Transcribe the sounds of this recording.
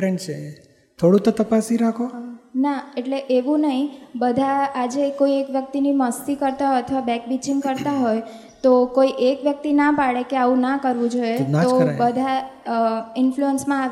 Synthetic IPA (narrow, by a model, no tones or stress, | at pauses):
ɾɛɳɖt͡ʃʰe | t̪ʰoɽũt̪ot̪əpasiɾakʰonaeʈleʔeʋũnəɦĩbəd̪ʱaad͡ʒekoiekʋjək̚t̪iniməst̪ikəɾt̪aɦoət̪ʰəʋabɛk̚bit͡ʃiŋɡkəɾt̪aɦoj | t̪okoiʔekʋjək̚t̪inapaɽekeaʋũnakəɾʋũd͡ʒoetaobəd̪ʱa | ɪnfluənsmãa